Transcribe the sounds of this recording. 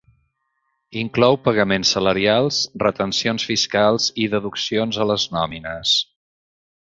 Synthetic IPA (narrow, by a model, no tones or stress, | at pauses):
iŋklɔwpəɣəmensːələɾialˠzrət̪ənsionsfiskalˠziðəðuksionzələznɔminəs